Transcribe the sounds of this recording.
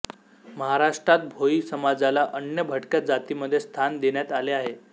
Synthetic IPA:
məɦaɾaʂʈɾat̪̚bʱoisəmad͡zalaʔənjəbʱəʈkjad͡zat̪iməd̪ʱːjest̪ʰand̪eɳjat̪aleaɦe

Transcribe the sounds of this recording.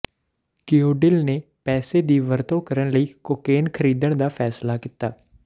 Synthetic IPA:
kiːoːɖɪlneː | pɛːseːd̪iːʋəɾt̪õːkəɾənləiːkoːkeːnkʰəɾiːd̪əɳd̪aːpʰɛːslaːkɪt̪aː

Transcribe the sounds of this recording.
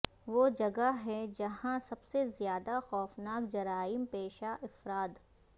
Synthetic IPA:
ʋoːd͡ʒɐɡaɦɛd͡ʒɐɦãsɐbsezjaːd̪axɔːfnaːkd͡ʒɐɾaːɪmpeːʃaʔɪfɾaːd̪

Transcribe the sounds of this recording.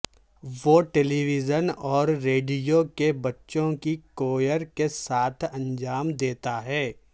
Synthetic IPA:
ʋoʈɛliʋɪzənɔːɾːeːɖijokebɐtːʃõkikoːjəɾkesaːt̪ʰɐ̃nd͡ʒaːmd̪eːt̪aɦɛː

